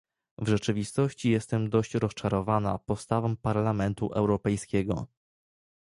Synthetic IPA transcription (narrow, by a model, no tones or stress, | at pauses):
vʐɛt͡ʂɘvʲist̪ɔɕt͡ɕijɛst̪ɛmd̪ɔɕt͡ɕɾɔst͡ʂaɾɔvanapɔt̪st̪avɔmpaɾlamɛnt̪ṵʔɛwɾɔpɛjskʲɛɡɔ̰